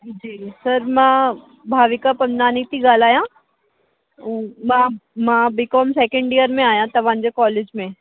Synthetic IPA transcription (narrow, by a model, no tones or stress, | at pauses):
d͡ʒiːsɐɾmã | bʱaːʋɪkapɐnːaːnit̪iɡaːlaːjã | mãmãːbɪkɔːmsɛːkə̃ɳɖijəɾmẽaːjãt̪ɐʋãːnd͡ʒekɔːleːd͡ʒmẽ